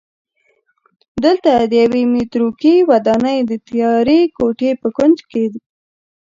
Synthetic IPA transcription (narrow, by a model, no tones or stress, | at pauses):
d̪əlt̪ad̪əjawemet̪ɾokiwad̪ɑnəjd̪ət̪jɑɾekoʈepəkand͡ʒked̪i